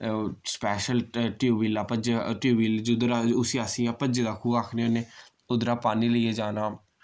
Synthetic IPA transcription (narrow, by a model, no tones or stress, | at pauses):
spɛːʃəlʈjuːʋiːlaːpəd͡ʒʈjuːʋiːld͡ʒʊd̪ɾaʊsiːasiːãːpəd͡ʒed̪aːkʰuːaːkʰneoːneː | ʊd̪ɾaːpaːniːləieːd͡ʒaːnaː